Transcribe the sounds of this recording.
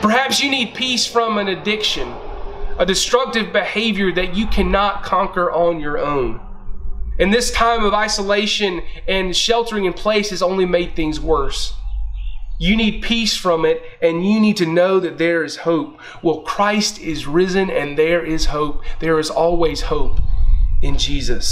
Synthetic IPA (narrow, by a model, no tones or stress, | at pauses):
pʰə˞hæpsjɨnid̚pʰisfɹʌ̃mɨ̃nɨdɪkʃɨ̃n | ɨdɨstɹ̥ʌk̚tɨvbɨheɪvjə˞ðɨt͡ʃɨkʰænɑt̚kʰɑ̃ŋkə˞ʔə̃njə˞õʊ̃n | ɨ̃nðɪstʰãɪ̃mʌvaɪsəleɪʃɨ̃nɨ̃nʃɛlˠtə˞ɪ̃ŋɨ̃npʰl̥eɪsɨzõʊ̃nlimeɪd̪̚θɪ̃ŋzwɜ˞s | jɨnid̚pʰisfɹʌ̃mɪɾ | ɨ̃njɨnid̚tɨnoʊðɨt̪̚ðə˞ɪz̥hoʊp̚ | wɛlˠkʰɹ̥aɪstɪzɹɪzɨ̃nɨ̃nðə˞ɪz̥hoʊp̚ðə˞ɨzɔlˠwiz̥hoʊpɨ̃nd͡ʒizɨs